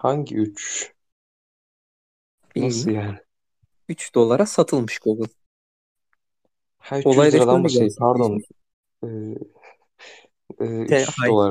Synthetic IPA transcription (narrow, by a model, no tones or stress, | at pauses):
haɲɟḭyt͡ʃ | bisjaːnɪ | yt͡ʃd̪̥o̞lˠaɾasat̪ʰɯlˠmɯʃɡ̥uɡɯlˠ | hæɾolˠajd̪ˠaɾad̪anbapʰaɾd̪on | ɛ | ɛːɛaolˠaɾ